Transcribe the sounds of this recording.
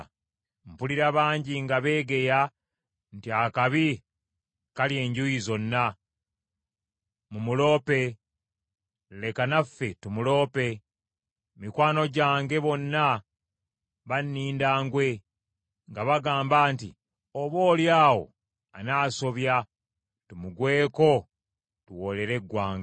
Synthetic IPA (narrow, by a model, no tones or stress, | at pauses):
m̩puliɾaβaːɲɟiŋɡaβe̞ːɡe̞ja | ntiakaβi | kalje̞ːɲɟujizo̞nːa | mumulo̞ːpe̞ | le̞kanafːe̞tumulo̞ːpe̞ | mikwaːno̞ɟaːŋɡe̞βo̞nːa | βanːiːndaːŋɡwe̞ | ŋɡaβaɡaːmbaːnti | oβo̞ːljaːwo̞̰ | anaːso̞βja | tumuɡwe̞ːko̞ | tuwo̞le̞ɾe̞ɡwaːŋɡa